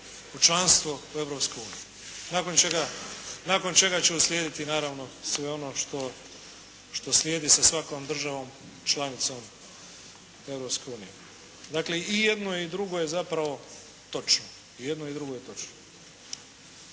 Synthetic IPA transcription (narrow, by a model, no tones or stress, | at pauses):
ut͡ʃlanst̪ʋoue̞vɾo̞pske̞uːnij | nako̞nt͡ʃe̞ɡanako̞nt͡ʃe̞ɡat͡ɕeusljeːd̪it̪inaːɾaʋno̞sʋe̞o̞noʃt̪o̞ | ʃt̪o̞slʲjeːd̪isasʋako̞md̪r̩ʒaʋo̞ːm | t͡ʃlanit̪so̞m | e̞ʋɾopske̞uːnije | d̪aːkle̞ijed̪noid̪ɾuɡo̞jezapɾaʋo̞ | t̪o̞t͡ʃno | ije̞d̪noid̪ɾuɡo̞jet̪o̞t͡ʃno